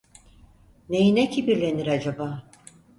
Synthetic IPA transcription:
nejinecʰibiɾlʲe̞niɾad͡ʒabaː

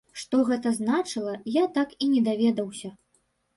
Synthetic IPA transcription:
ʂt̪ɔɣɛt̪ɐznat͡ʂɨlˠɐjat̪akinʲɛd̪avʲɛd̪ɐwsʲɐ

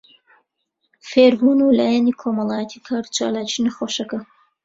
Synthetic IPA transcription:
feːɾbunulaːjanikʰomɑlˠɑːjɛt̪ʰikʰaːɾt͡ʃa̰ːlaːt͡ʃinɐxoʃɐkɐ

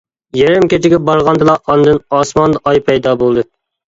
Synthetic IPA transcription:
jɛɾɛmkʲet͡ʃʰɪɡʲɛbɑɾʁɑnd̪ɨlˠɑʔɑnd̪ɨnɑsmɑnd̪ɑʔɑjpʰɛjd̪ɑbolˠd̪ɨ

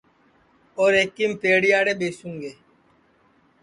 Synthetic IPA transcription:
oːɾeːkːiːmpeːɽijaːɽeːbeːsũːŋɡeː

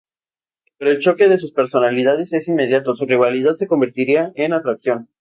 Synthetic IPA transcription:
peɾoelt͡ʃo̞ke̞ðe̞suspe̞ɾso̞naliðað̞e̞se̞sinme̞ð̞jat̪o̞suriβ̞aliðaðse̞ko̞mbeɾt̪iɾiaenat̪ɾaksjo̞n

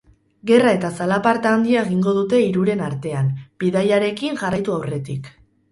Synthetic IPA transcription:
ɡe̞rae̞t̪asalapaɾt̪aːnd̪iaeɣ̞iŋɡo̞ð̞ut̪e̞iɾuɾe̞naɾt̪e̞anb̥iðajaɾe̞kiŋʝarajt̪uawre̞t̪ik

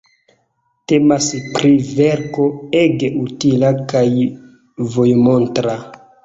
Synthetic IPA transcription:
te̞maspɾive̞ɾko̞e̞ɡe̞ʔutilakaj | vo̞jmo̞ntɾa

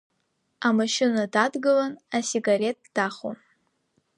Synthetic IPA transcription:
amaʃɪnadadɡɨlanasiɡaɾe̞t̚d̥aχo̰n

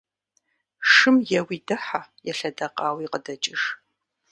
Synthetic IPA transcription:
ʂɨmjɛwiːdɨħajɛɬɐdɐqʼɑːwiːqədɐt͡ʃʼɪʂ

